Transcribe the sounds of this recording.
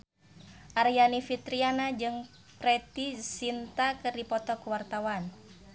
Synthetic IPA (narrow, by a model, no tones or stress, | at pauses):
ʔaɾjanifit̪ɾianad͡ʒɨŋ | pɾɛt̪isint̪akɨrdipɔt̪ɔkuwart̪awan